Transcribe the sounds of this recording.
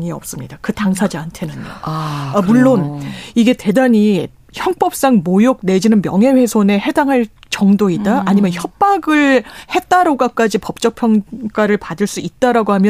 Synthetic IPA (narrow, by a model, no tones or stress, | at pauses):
ŋiʌp̚s͈ɯmɲidakɯtaŋsʰad͡ʑiantʰe̞nɯno̰ | muɭːoniɡe̞te̞daɲi | çjʌŋp͈ʌp̚s͈aŋmojok̚ne̞d͡ʑinɯnmjʌŋɦe̞ɸe̞sʰone̞he̞daŋɦaɭt͡ɕʌŋdoidaʔaɲimjʌnçjʌp̚p͈aɡɯɭhe̞t̚t͈aɾoɡak͈ad͡ʑipʌp̚t͡ɕ͈ʌk̚pʰjʌŋk͈aɾɯɭpadɯɭs͈uit̚t͈aɾaɡohamjʌ